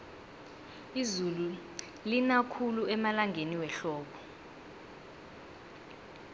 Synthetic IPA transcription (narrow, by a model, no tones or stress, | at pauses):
izulu | linakʰuluɛmalaŋʱeniwɛɬɔːɓɔ